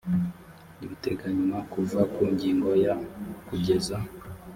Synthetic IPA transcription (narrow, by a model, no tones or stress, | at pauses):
niβuteɡaɲumakuvakuɲɟiːŋɡo̞jakuɟe̞za